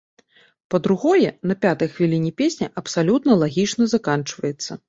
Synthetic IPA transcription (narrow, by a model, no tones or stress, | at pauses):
pɐd̪ɾuɣɔjɛnɐpʲat̪ɐjxvʲilʲinʲipʲesʲnʲɐʔɐpsalʲut̪nɐlˠaɣʲit͡ʂnɐzakant͡ʂvɐjɛt̪sːɐ̰